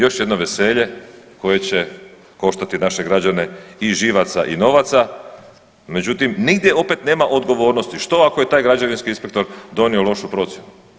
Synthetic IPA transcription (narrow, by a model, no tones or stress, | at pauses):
jo̞ʃje̞d̪no̞ʋe̞se̞ʎe̞ko̞je̞t͡ɕe̞ | ko̞ʃt̪at̪inaʃe̞ɡɾad͡ʑane̞iʒiʋat̪sa̰ʔḭno̞ʋat̪sa | me̞d͡ʑut̪imniɡd̪je̞o̞pet̪ne̞ːmaʔo̞d̪ɡo̞ʋo̞ːɾno̞st̪iʃt̪o̞akoje̞t̪aːjɡɾad͡ʑaʋinskiinspe̞k̚t̪o̞ɾd̪o̞nio̞lo̞ʃupɾo̞t̪sjenu